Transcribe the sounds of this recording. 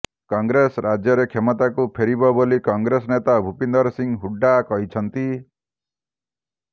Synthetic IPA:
kɔŋɡɾesɾad͡ʒjɔɾekʰemɔt̪akupʰeɾibɔbolikɔŋɡɾesɔnet̪abʱupind̪ɔɾsiŋɦuɖakɔɦit͡ʃʰɔnt̪i

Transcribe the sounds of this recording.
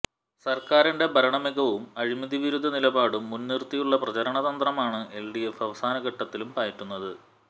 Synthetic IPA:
sɐrkaːɾinɖe̞bɐɾɐɳɐmiɣɐʋumɐɻimɐðiʋiɾud̪ʱːɐnilɐbaːɽumːunːirt̪ijuɭːɐprɐt͡ɕɐɾɐɳɐðɐnd̪rɐmaːɳɨʔe̞lɖijefɐʋɐsaːnɐɡɐʈːɐt̪ːilumpaːjiʈːunːɐðɨ

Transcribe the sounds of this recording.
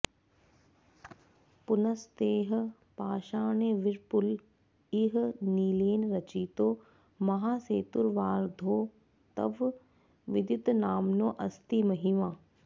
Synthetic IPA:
pʊnɐst̪eːɦ | paːʃaːneːʋɪɾpʊl | iɦniːleːnɾɐt͡ʃiːt̪oː | mɐɦaːseːt̪ʊɾʋaːɾd̪ʱoː | t̪ɐ̰ʋ | ʋɪd̪jʊt̪naːmnõːʔɐst̪iːmɐɦiʋaː

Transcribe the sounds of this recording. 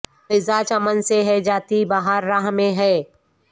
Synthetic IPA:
ɪzaːt͡ʃɐmənseɦɛd͡ʒaːt̪ibaɦaːɾːaːɦmẽɦɛː

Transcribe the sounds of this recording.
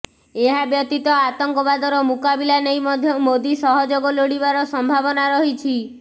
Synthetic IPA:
eɦabjɔt̪it̪ɔat̪ɔŋkɔbad̪ɔɾɔmukabilanejmɔd̪ʱjɔmod̪isɔɦɔd͡ʒoɡɔloɽibaɾɔsɔmbʱabɔnaɾɔɦit͡ʃʰi

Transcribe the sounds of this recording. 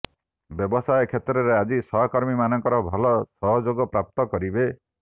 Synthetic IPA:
bjɔbɔsajɔkʰet̪ɾɔɾead͡ʒisɔɦɔkɔɾmimanɔŋkɔɾɔbʱɔlɔsɔɦɔd͡ʒoɡɔpɾap̚t̪ɔkɔɾibe

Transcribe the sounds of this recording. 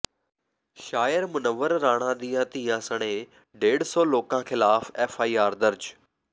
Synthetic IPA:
ʃaːjəɾmʊnəʋəɾːaːɽ̃ãd̪iːãːt̪iãsəɽ̃ẽ | ɖeːɽsɔːloːkãxɪlaːfeːfaːiaːɾd̪ɐɾd͡ʑ

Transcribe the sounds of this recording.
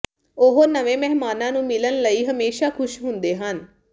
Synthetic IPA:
oɦoːnəʋẽːmɛɦmaːnãːnũːmɪlənləiːɦəmeːʃaːkʰʊʃɦʊnd̪eːɦən

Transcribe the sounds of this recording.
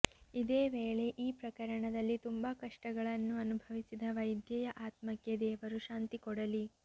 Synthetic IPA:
id̪eːʋeːɭe̞ʔiːpɾɐkɐɾɐɳɐd̪ɐlːit̪umbɐkɐʂʈɐɡɐɭɐnːuɐnubʱɐʋisid̪ɐʋɐjd̪jɐjɐʔaːt̪mɐkjɐd̪eːʋɐɾuʃaːnt̪ikɔɽɐli

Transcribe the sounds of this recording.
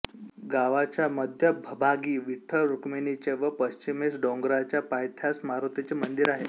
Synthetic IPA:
ɡaʋat͡ɕjaməd̪ʱjəbʱəbʱaɡiːʋiʈʰəɾukmenit͡ɕeʋəpəɕt͡ɕimesɖõŋɡɾat͡ɕjapajt̪ʰjasmaɾut̪et͡ɕemənd̪iɾaɦe

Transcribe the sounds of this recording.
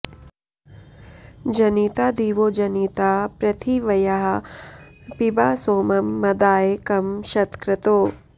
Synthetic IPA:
d͡ʒɐniːt̪aːd̪iːʋoːd͡ʒɐniːt̪aːpɾɐt̪ʰiʋɐjɐɦɐ | pibaːsoːmɐmːɐd̪aːjekɐmʃɐt̪kɾɐt̪oː

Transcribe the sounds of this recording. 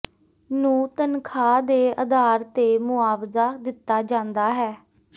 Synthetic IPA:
nũːt̪ənkʰaːd̪eːəd̪aːɾt̪eːmʊaːʋzaːd̪ɪt̪ːaːd͡ʒãːnd̪aːɦɛː

